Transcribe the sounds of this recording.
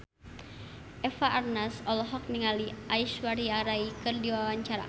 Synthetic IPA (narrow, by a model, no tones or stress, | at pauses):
ʔɛfaʔːrnasɔlɔɦɔk̚niŋaliʔaiʃwaɾiaɾaikɨrdiwawaɲt͡ʃaɾa̰